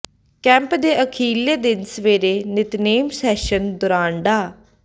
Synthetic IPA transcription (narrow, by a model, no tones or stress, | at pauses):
kɛ̃ːmpd̪eːʔəkʰiːleːd̪ɪnsəʋeːɾeːnɪt̪neːmsɛːʃənd̪ʊɾãːɳɖaː